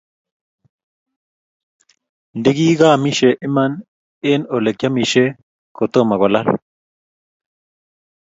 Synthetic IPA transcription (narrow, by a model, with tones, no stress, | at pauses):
ndɪ˦ɡi˦ɡa˦˨mi˦ʃe˨ʔɪ˦ma˦n | ɪ˦no˨le˨kja˦mi˨ʃe˦ | ko˨t̪o˦ma˨ɣɔ˨la˦l